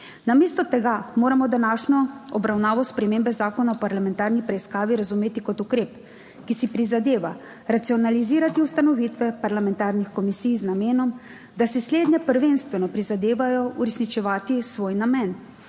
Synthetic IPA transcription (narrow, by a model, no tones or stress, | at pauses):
nameːst̪ɔt̪ɛɡamoːɾamɔd̪anaːʃnɔɔbɾawnaːʋɔspɾɛmeːmbɛzaːkɔnaɔpaɾlamɛ̃nt̪aːɾnipɾɛiskaːʋiɾazumeːt̪ikɔt̪ukɾeːp | kisipɾizad̪eːʋa | ɾat̪siɔnaliziːɾat̪iust̪anɔʋit̪ʋɛpaɾlamɛnt̪aːɾnixkɔmisijznameːnɔm | d̪asɛsleːd̪nɛpəɾʋenst̪ʋɛnɔpɾizad̪eːʋajɔuɾɛsnit͡ʃɛʋaːt̪isʋoːjnamɛn